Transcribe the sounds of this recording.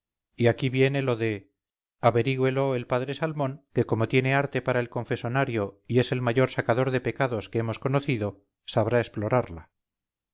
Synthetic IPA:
iakiβje̞ne̞lo̞ðe̞ | aβe̞ɾiɣwe̞lo̞elpaðɾe̞salmõ̞ŋke̞ko̞mo̞t̪je̞ne̞aɾt̪e̞paɾae̞lko̞ɱfe̞so̞naɾjo̞ie̞se̞lmaʝo̞ɾsakaðo̞ɾðe̞pe̞kaðo̞skeemo̞sko̞noθiðo̞ | saβ̞ɾaesplo̞ɾaɾla

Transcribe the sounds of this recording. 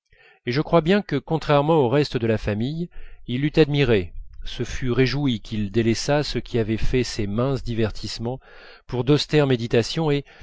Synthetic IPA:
eʒəkχwabjɛ̃kəkɔ̃t̪χɛʁmɑ̃oʁɛst̪d̪əlafamijilːyt̪ad̪miʁesəfyʁeʒuikʲild̪elɛsasəkʲiavɛfɛsemɛ̃sd̪ivɛʁt̪ʰismɑ̃ | puʁd̪ɔst̪ɛʁmed̪it̪asjɔ̃e

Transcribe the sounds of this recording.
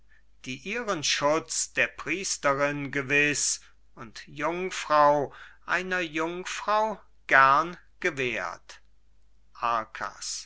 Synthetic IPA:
d̥iːʔiːʁənʃʊt͡sd̥eːɐpʁ̥iːstəʁɪnɡəvɪs | ʊntjʊŋfʁ̥aʊʔaɪnɐjʊŋfʁ̥aʊ | ɡ̥ɛʁnɡ̥əveːɐt | ʔaɐkʰa̰s

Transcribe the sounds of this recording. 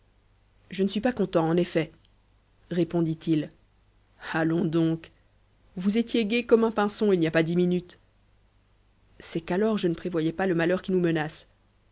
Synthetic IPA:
ʒənəsɥipakɔ̃t̪ɑ̃ːnefɛ | ʁepɔ̃d̪it̪il | alɔ̃d̪ɔ̃k | vuzet̪jeɡʲekɔmɛ̃pɛ̃sɔ̃ilniapad̪iminyt̪ | sɛkalɔʁʒənəpχevwajɛpaləmalœʁkʲinumənas

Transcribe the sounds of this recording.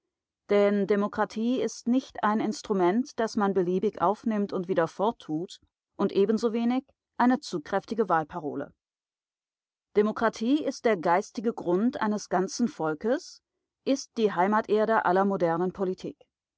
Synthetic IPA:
d̥ɛndemokʁ̥atʰiːɪstnɪçtaɪnɪnstʁ̥umɛntd̥asmanbəliːbɪçʔa̰ʊfnɪmtʊntv̥iːdɐfɔɐtʰːuːt | ʔʊntʔeːbn̩zoveːnɪç | ʔaɪnət͡suːkʁ̥ɛftɪɡəvaːlpʰaʁ̞o̰ːlə̰ | d̥emokʁ̥atʰiːɪst̚d̥eːɐɡaɪstɪɡəɡʁʊntʔa̰ɪnəsɡ̥ant͡sn̩fɔlkəs | ʔɪst̚d̥iːɦaɪmaːtʔeːɐɾəʔalɐmodɛɐnənpʰolitʰḭːk

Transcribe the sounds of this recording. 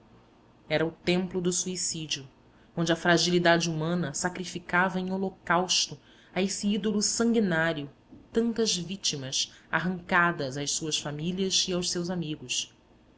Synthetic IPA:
ɛɾɐʊt̪ẽmplʊd̪ʊsuisid͡ʒiʊ | õnd͡ʒɪɐfɾaʒilid̪ad͡ʒɪumɐ̃nɐsakɾifikavɐẽj̃olokawʃt̪ʊ | ɐesiid̪olʊsɐ̃ŋɡinaɾjʊ | t̪ɐ̃nt̪ɐzvit͡ʃimɐsa̰ɦɐ̃ŋkad̪ɐzajʃsuɐsfamiliɐziawʃsewzamiɡʊs

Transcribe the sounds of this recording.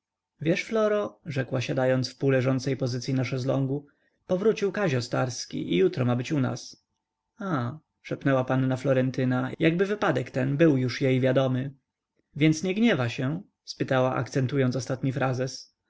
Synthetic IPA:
vʲjɛʂflɔɾɔʐɛkwaɕad̪ajɔnt̪sfpulɛʐɔnt̪sɛjpɔzɘt̪sʲjinaʂɛzlɔŋɡu | pɔvɾut͡ɕiwkaʑɔst̪aɾskʲḭʔijut̪ɾɔmabɘt͡ɕuna̰s | a | ʂɛpnɛwapanːaflɔɾɛnt̪ɘnajaɡ̚bɘvɘpad̪ɛkt̪ɛnbɘwjuʂjejvʲjad̪ɔmɘ | vʲjɛnt̪sɲɛɡɲɛvaɕɛ | spɘt̪awaʔa̰k̚t̪sɛnt̪ujɔnt̪sɔst̪at̪ɲifɾazɛs

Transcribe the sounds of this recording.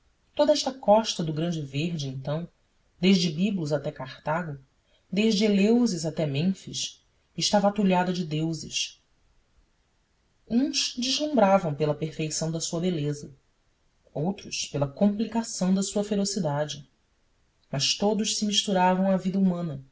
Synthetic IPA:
t̪od̪ɐɛʃt̪ɐkɔʃt̪ɐd̪ʊɡɾɐ̃d͡ʒɪveɦd͡ʒɪẽnt̪ɐ̃w̃ | d̪eʒd͡ʒɪbibluzat̪ɛkaχt̪aɡʊ | d̪eʒd͡ʒɪelewzɪzat̪ɛmẽfiʃ | ɪʃt̪avɐat̪uʎad̪ɐd͡ʒɪd̪ewzɪʃ | ũʃd͡ʒiʒlũmbɾavɐ̃w̃pelɐpeɾfejsɐ̃w̃d̪ɐsuɐbelezɐ | owt̪ɾʊʃpelɐkõmplikasɐ̃w̃d̪ɐsuɐfeɾosid̪ad͡ʒɪ | mɐʃt̪od̪ʊʃsɪmiʃt̪uɾavɐ̃w̃ɐvid̪ɐumɐ̃nɐ

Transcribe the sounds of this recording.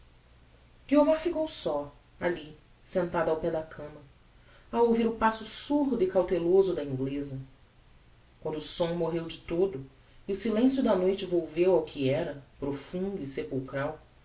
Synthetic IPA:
ɡ̥iomaɾfikowsɔ | ali | sẽnt̪ad̪ʊawpɛd̪ɐkʰɐ̃mɐ | awowviɾʊpasʊsuɾd̪ʊikawt̪elozʊd̪ɐĩŋɡlezɐ | kwɐ̃nd̪ʊːsõw̃moɦewd͡ʒɪt̪od̪ʊ | iʊsilẽsjʊd̪ɐnojt͡ʃɪvowvewawkʰɪɛɾɐpɾofũnd̪ʊisepuwkɾaw

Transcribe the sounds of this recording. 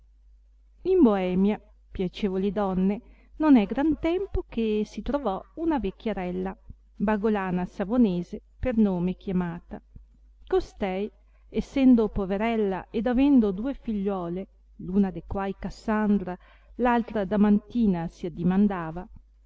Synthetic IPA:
imboɛːmja | pjat͡ʃeːvolid̪ɔnːe | nonɛɡɾant̪ɛmpok̟esit̪ɾovɔunavekːaɾɛlːa | baɡolaːnasavoneːzepernoːmek̟jamaːt̪a | kost̪ɛj | esːɛnd̪opoveɾɛlːa̰ʔed̪avɛnd̪od̪uːefiʎːwɔːle | luːnad̪ekwajkasːand̪ɾa | lalt̪ɾad̪amant̪iːnasiad̪ːimand̪aːva

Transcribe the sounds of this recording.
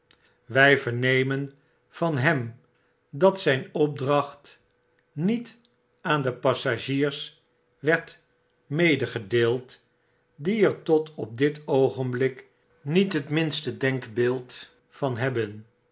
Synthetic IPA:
ʋɛjvəɹnejmən | v̥ɑnɦɛm | dɑtsɛjnɔb̚drɑχt | nit | aːndəpɑsaʒiːɹs | ʋɛɹt | mejdəχədeːlˠt | diɛɹtɔtʰɔb̚dɪtowχənblɪk | nitɦətmɪnstədɛŋkbɪːlˠt | fɑnɦɛbən

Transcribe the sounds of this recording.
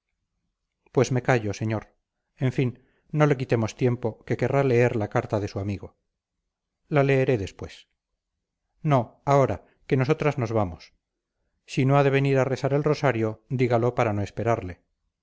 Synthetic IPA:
pwe̞zme̞kaʝo̞se̞ɲoɾ | e̞ɱfinː | o̞le̞k̬it̪e̞mo̞st̪je̞mpo̞ke̞ke̞rale̞e̞ɾlakaɾt̪aðe̞suamiɣo̞ | lale̞ːɾe̞ðe̞spwe̞s | no̞ao̞ɾa | ke̞no̞s̬o̞t̪ɾazno̞zβamos | sinoaðe̞β̞e̞niɾare̞saɾe̞lro̞saɾjo̞d̪iɣalo̞paɾano̞e̞spe̞ɾaɾle̞

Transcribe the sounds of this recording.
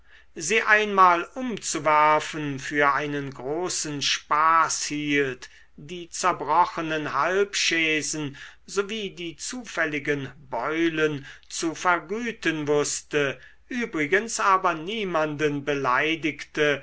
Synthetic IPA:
ziːʔaɪnmaːlʔʊmt͡suvæɐfənfyːɐʔaɪnənɡʁoːsn̩ʃpaːshiːlt | d̥iːt͡sɛɐbʁɔχənənhalpʃɛːzn̩zoviːdiːt͡suːfɛlɪɡənbɔʏlənt͡sufɛɐɡyːtənvʊstə | ʔyːbʁɪɡənsʔaːbɐniːmandənbəlaɪdɪktə

